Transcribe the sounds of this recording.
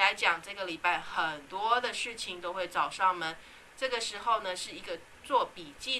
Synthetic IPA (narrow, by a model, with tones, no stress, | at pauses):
a˧˥ɪt͡ɕjɑ˨˩ŋʈ͡ʂɤ˥˩ɡə˩li˨˩pa˥˩ɪxə˨˩nt̪wɔ˦˥d̪ə˨ʂɻ̩˥˩t͡ɕʰi˨ŋt̪o˥ʊxwe˥˩ɪt͡sɑ˨˩ʊʂɑ˥˩ŋmə˨n | ʈ͡ʂɤ˥˩ɡə˩ʂɻ̩˧˥xo˥˩ʊnə˩ʂɻ̩˥˩i˧˥ɡə˧ | t͡swɔ˥˩pi˨˩t͡ɕi˥˧